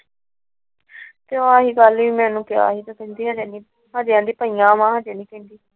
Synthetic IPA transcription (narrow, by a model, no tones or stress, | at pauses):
t̪eõaːɦiːɡəlʋiːmɛ̃ːnũːkja̰ːɦiːt̪ãːkɛ̃nd̪iːɦaːd͡ʒãːniː | ɦaːd͡ʒjãːd̪iːpəiːjãːmãːɦãːd͡ʒãːniːkɛ̃nd̪iː